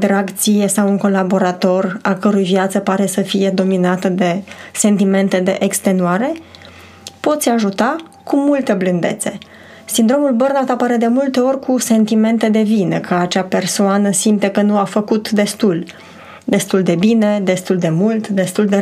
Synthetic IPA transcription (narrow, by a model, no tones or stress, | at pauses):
d̪ɾaɡt̪sije̞sawuŋko̞labo̞ɾat̪o̞rakəɾujvjat̪səpaɾe̞səfije̞d̪o̞minat̪əd̪e̞se̞nt̪ime̞nt̪e̞d̪e̞ʔekst̪e̞nuaɾe̞ | po̞t̪sʲaʒut̪a | kumult̪e̞blɨnd̪e̞̰t̪se̞ | sind̪ɾo̞mulbərnat̪apəɾed̪e̞mult̪e̞o̞rʲkuse̞nt̪ime̞nt̪e̞d̪e̞vinekʰəat͡ʃape̞rsoanəsimt̪ekənuafəkut̪d̪e̞st̪ul | d̪e̞st̪uld̪e̞bine̞d̪e̞st̪uld̪e̞mult̪d̪e̞st̪uld̪e